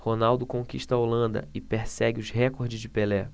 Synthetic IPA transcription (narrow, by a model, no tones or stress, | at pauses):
honawd̪ʊkõkiʃt̪ɐolɐ̃nd̪ɐ̰ɪpeɾsɛɡʲɪʊzɦɛkoɾd͡ʒɪzd͡ʒɪpelɛ